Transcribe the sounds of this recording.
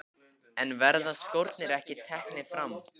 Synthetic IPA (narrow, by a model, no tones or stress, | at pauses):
ɛnvɛɾðaskowɾt̪nɪɾɛhcɪt̪ʰɛhknɪfɾam